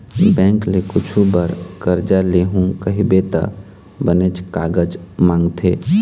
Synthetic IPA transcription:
bɛ̃ːŋklekʊt͡ʃʰubəɾkəɾd͡ʒaleɦũkəɦibet̪a̰ | bənet͡ʃkaːɡəd͡ʒmãːŋɡt̪ʰeː

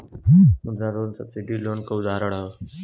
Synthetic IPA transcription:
mʊd̪ɾaɾoːnsɐbsiɖiloːnkaʊd̪aːɾəɽao

